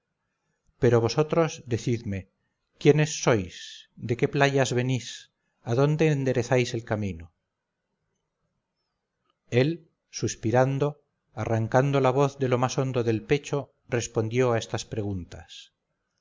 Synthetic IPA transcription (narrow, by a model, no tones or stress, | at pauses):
peɾo̞β̞o̞so̞t̪ɾo̞zðe̞θiðme̞ | kjene̞sːo̞jsd̪e̞ke̞plaʝazβe̞nis | aðo̞nd̪e̞ːnd̪e̞ɾe̞θajse̞lkamĩno | e̞l | suspiɾand̪o̞ | araŋkand̪o̞laβ̞o̞θðe̞lo̞maso̞nd̪oðe̞lpe̞t͡ʃo | re̞spo̞nd̪jo̞aest̪aspɾe̞ɣunt̪as